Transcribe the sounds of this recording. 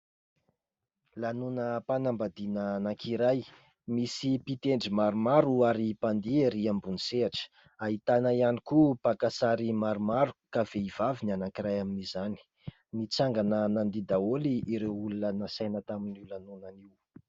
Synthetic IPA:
lanunəpanambad̪inanakʰiɾaj | misipit̪eɳɖ͡ʐimaɾumaɾuaɾipand̪iaɾiambuniseaʈ͡ʂə̥ | aɦit̪anaianikupakasaɾimaɾumaɾu̥kav̥eiv̥avinanakiɾajaminizani̥ | nit͡saŋɡanənand̪id̪aoliiɾewulunənəsajnət̪aminiwlanunaniw

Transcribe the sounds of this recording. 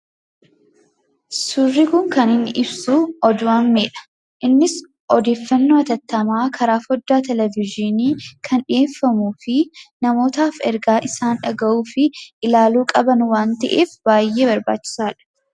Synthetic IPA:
sʊrːɪkʊŋkɐnɪnːʔɪbsuːɔd̪ʊʔɐmːeːᶑɐ̥ | ʔɪnːɪs | ʔɔd̪e̞ːfːɐnːoːɐt̪ɐt̪ːɐmaːkʰɐɾaːfɔd̪ːaːt̪ɛlɛvɪd͡ʒɪniːkʰɐnᶑɪeːfːɐmuːfɪnɐmo̞ːt̪aːfɛɾɡaːʔɪsaːnᶑɐɡɐʔuːfɪʔɪlaːluːkʼɐbɐnwaːnt̪ɐʔḛːfb̥aːjːe̞ːbɐɾba̰ːt͡ʃːɪ̥saːᶑɐ̥

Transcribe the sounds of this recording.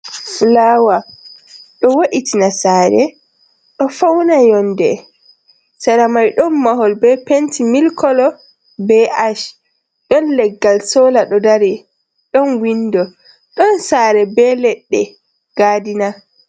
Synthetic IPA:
flawa | ɗɔwoʔitinasaːɾɛ̰ | ɗɔfawnajɔndɛ̰ | saɾamajɗɔnmaɦɔlbɛpentimilkʰɔlɔ | bɛʔaʃ | ɗɔnlɛɡːalsɔlaɗɔdaɾi | ɗɔnwindɔ | ɗɔnsaɾɛbɛlɛɗːɛ | ɡ̥aːdina

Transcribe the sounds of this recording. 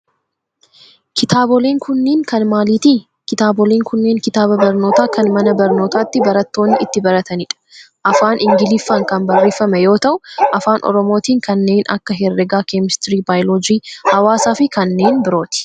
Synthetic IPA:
kʰɪt̪aːbɔleːŋkʊnːeːŋkɐnmaːliːt̪i | kɪt̪aːbɔleːŋkʊnːeːŋkɪt̪aːbɐbɐɾno̞ːt̪aːkɐnmɐnɐbɐɾno̞ːt̪aːt̪ːɪbɐɾɐt̪ːo̞ːnːɪɪt̪ːɪbɐɾɐt̪ɐnɪᶑɐ̥ | ʔɐfaːnʔɪŋɡɪlɪfːaːŋkɐnbɐrːe̞ːfɐmɛjo̞ːt̪ɐʔʊʔɐfaːnʔɔ̰ɾɔmo̞ːt̪iːŋkɐnːe̞ːnʔɐ̰kːɐɦɛrːɛɡaːkeːmɪst̪ɪɾiːbaːjlod͡ʒiːhɐwaːsaːfɪkɐnːe̞ːnbɪɾo̞ːt̪ɪ̥

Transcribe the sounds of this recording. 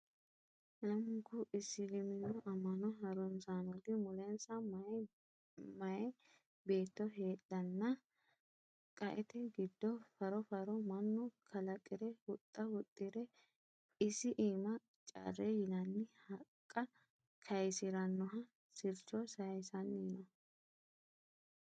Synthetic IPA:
nɐmɡʊʔɪsːɪlɪmɪnːɔʔɐmːɐnɔɦɐɾʊnsaːnɔɡ̪ɪmʊlɛnsɐm | mɐjɛ | be̞ːt̪ːɔɦe̞ːɗɐnːɐ | kʼɐʔɛt̪ɛɡɪd̪ːɔfɐɾɔfɐɾɔmɐnːɔkʰɐlɐkʼɪɾɛhʊt̪ʼːɐhʊt̪ʼːɪɾɛ | ɪsɪʔiːmɐ | t͡ʃʼɐ̰rːɛjɪnɐnːɪhɐkʼːɐ | kʰɐjsɪɾɐnːɔɦɐ | sɪɾt͡ʃɔsɐjsɐnːiːnɐ

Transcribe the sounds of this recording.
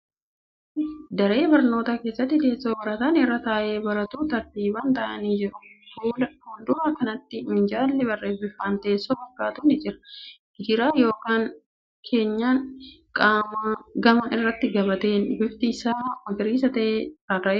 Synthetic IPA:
ɪd̪ɐɾe̞ːbɐɾno̞ːt̪ake̞ːsːɐt̪ːɪt̪e̞ːsːoːbɐɾɐt̪aːnɪrːɐt̪aːʔe̞ːbɐɾɐt̪uːt̪ɐɾd̪iːbɐːnt̪ɐʔɐniːd͡ʒɪɾʊfuːlɐhʊnd̪ʊʔɐːkɐnɐt̪ːɪɪnd͡ʒaːlːɪbɐrːeːfbɪfːaːnt̪e̞ːsːoːbɐɾkːaːt̪uːnɪd͡ʒɪɾɐ̥ | ɡɪd̪ɪɾaːjo̞ːkaːŋ | kʰe̞ːɲːaːn | kʼaːmaɡɐmɐʔɪrːɐt̪ːɪɡɐbɐt̪e̞ːnbɪft̪ɪsaːmɐɡɪɾiːsɐt̪ɐʔeːaːɾɐʔeː

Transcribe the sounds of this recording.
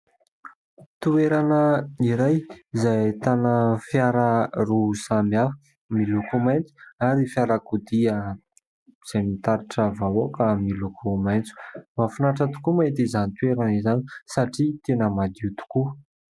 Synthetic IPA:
t̪ueɾanəiɾajzajt̪anəfjaɾərusamjafə̥ | milukumajnt͡su̥aɾifjaɾakud̪iə | z̥ajmit̪aɾiʈ͡ʂəvawokamilukʰumajnt͡su̥mafinaʈ͡ʂat̪u̥kumaet̪izanit̪ueɾanizanisaʈ͡ʂit̪enəmad̪it̪u̥ku

